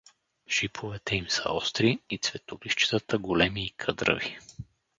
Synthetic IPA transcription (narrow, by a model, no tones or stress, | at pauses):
ʒ̥ipʰovɛt̪ɛimsə̰ɔst̪ɾiit̪svɛt̪oliʃt͡ʃi̥t̪ət̪əɡolɛmiːkʰɤd̪ɾə̰vi